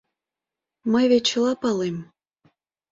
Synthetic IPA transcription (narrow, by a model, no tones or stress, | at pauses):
məjβet͡ɕəlɑpɑlem